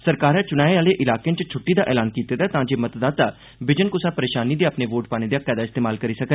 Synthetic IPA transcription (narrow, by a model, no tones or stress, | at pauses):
səɾkaːɾɛːt͡ʃʊnaːeaːleːʔɪlaːkeːnt͡ʃt͡ʃʰʊʈːiːd̪aːʔɛːlaːnkiːt̪eːd̪ɛːt̪ãːd͡ʒeːmət̪d̪aːt̪aː | bɪd͡ʒənkʊsaːpəɾeːʃaːniːd̪eːəpneːʋoːʈ̚paːneːd̪ejaːpɛːd̪aːɪst̪eːmaːlkəɾiːsəkə